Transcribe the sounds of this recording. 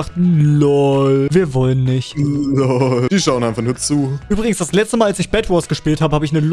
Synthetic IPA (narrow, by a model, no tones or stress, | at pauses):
χtn̩lɔviːɐvɔlənːɪçtlɔd̥iːʃaʊənʔaɪnfaχnuːɐt͡suːyːbʁɪɡŋ̩sd̥aslɛt͡stəmaːlalsɪçb̥ɛtwɔsɡ̥əʃpiːlthaːbəhaːbəɪçnəl